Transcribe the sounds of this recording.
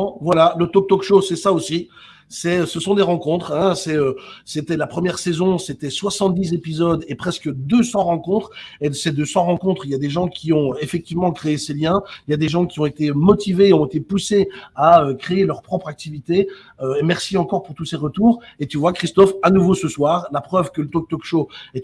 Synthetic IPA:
vwalalət̪ɔk̚t̪ɔkʃosɛsaosi | sɛsəsɔ̃d̪eʁɑ̃kɔ̃t̪χɛ̃sɛøset̪ɛlapχəmjɛʁsezɔ̃set̪ɛswasɑ̃t̪̚d̪izepizɔd̪epχɛskəd̪øsɑ̃ʁɑ̃kɔ̃t̪χesed̪øsɑ̃ʁɑ̃kɔ̃t̪χiljad̪eʒɑ̃kʲiɔ̃efɛk̚t̪ivmɑ̃kχeeseljɛ̃iljad̪eʒɑ̃kʲiɔ̃et̪emɔt̪iveːɔ̃et̪epuseaøkχeelœʁpχɔpχak̚t̪ivit̪e | ømɛʁsiɑ̃kɔʁpuʁt̪useʁət̪uːʁet̪yvwakχist̪ɔfanuvosəswaːʁlapχœvkələt̪ɔk̚t̪ɔkʃoɛ

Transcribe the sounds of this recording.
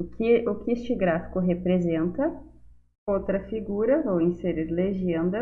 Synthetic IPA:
kɪʊkɪest͡ʃɪɡɾafi̥kʊɦepɾezẽnt̪ɐ | owt̪ɾɐfiɡuɾɐowĩseɾiɾleʒẽnd̪ɐ

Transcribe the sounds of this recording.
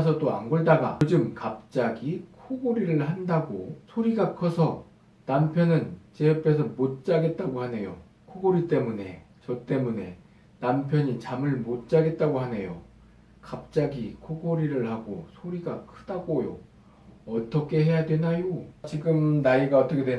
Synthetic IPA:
sʰʌt͈oa̰ŋɡoɭdaɡa̰d͡ʑɯmkap̚t͡ɕ͈aɡikʰoɡoɾiɾɯɭhandaɡo̰sʰoɾiɡakʰʌsʰʌ | nampʰjʌnɯnt͡ɕe̞ʌpʰe̞sʰʌmot̚t͡ɕ͈aɡe̞t̚t͈aɡohane̞jo̰ | kʰoɡoɾit͈e̞mune̞̰t͡ɕʌt͈e̞mune̞̰ | nampʰjʌɲit͡ɕamɯɭmot̚t͡ɕ͈aɡe̞t̚t͈aɡohane̞jo̰ | kap̚t͡ɕ͈aɡikʰoɡoɾiɾɯɭhaɡosʰoɾiɡakʰɯd̥aɡojo̰ | ʌt͈ʌkʰe̞ɦe̞jadwe̞najot͡ɕiɡɯmnaiɡaʌt͈ʌkʰede

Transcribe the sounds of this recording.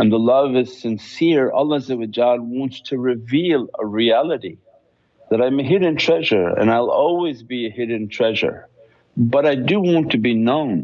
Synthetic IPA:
ə̃nðəlʌvɨz̥sɨ̃nsɪɹʌ̰lˠəzɨwɨd͡ʒɑd̚wɑ̃ntstʰɨɹɨvilˠə̰ɹiælˠəɾi | ðɨɾãɪ̃mɨɦɪɾ̃ⁿn̩tʰɹ̥ɛʒə˞ɨ̰̃naɪlˠɔlˠwizbiɨhɪɾɨ̃ntʰɹ̥ɛʒə̰˞ | bʌɾaɪdɨwɑ̃ntʰɨbinõʊ̃n

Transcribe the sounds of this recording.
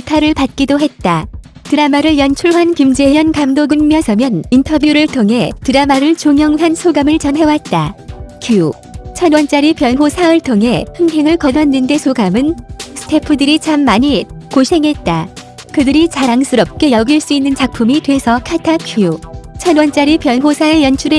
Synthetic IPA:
tʰaɾɯɭpat̚k͈idoɦe̞t̚t͈a | tɯɾamaɾɯɭjʌnt͡ɕʰuɭɦankimd͡ʑejʌnkamdoɡɯŋmjʌsʰʌmjʌnintʰʌbjuɾɯɭtʰoŋɦe̞tɯɾamaɾɯɭt͡ɕoŋjʌŋɦansʰoɡamɯɭt͡ɕʌmɦe̞wat̚t͈akʰiu | t͡ɕʰʌnwʌnt͡ɕ͈aɾipjʌnɦosʰaɯɭtʰoŋɦe̞hɯŋɦe̞ŋɯɭkʌdʌnːɯnde̞sʰoɡamɯnsʰɯ̥tʰe̞pʰɯdɯɾit͡ɕamːaɲikoɕʰe̞ŋɦe̞t̚t͈a | kɯdɯɾit͡ɕaɾaŋsʰɯɾʌp̚k͈e̞jʌɡiɭs͈uinːɯnt͡ɕak̚pʰumitwe̞sʰʌkʰatʰakʰiut͡ɕʰʌnwʌnt͡ɕ͈aɾipjʌnɦosʰaɯɭjʌnt͡ɕʰuɾe

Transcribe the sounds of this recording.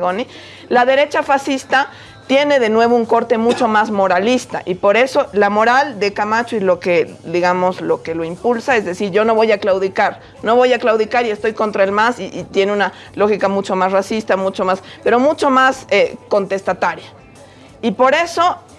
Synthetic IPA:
ɣoni | laðe̞ɾe̞t͡ʃafasist̪a | t̪je̞ne̞ðe̞nwe̞β̞ouŋko̞ɾt̪e̞mut͡ʃo̞mazmo̞ɾalist̪a̰ʔipo̞ɾe̞so̞lamo̞ɾald̪e̞kamat͡ʃoilo̞ke̞ðiɣamo̞zlo̞ke̞loimpulsae̞zðe̞siɾʝo̞no̞βojaklawðikaɾ | no̞βo̞jaklawðikaɾie̞st̪o̞jko̞nt̪ɾae̞lmasit̪je̞neuna | lo̞xikamut͡ʃomasrasist̪amut͡ʃomaspe̞ɾo̞mut͡ʃomaseko̞nt̪e̞st̪at̪aɾja | ipo̞ɾe̞so̞

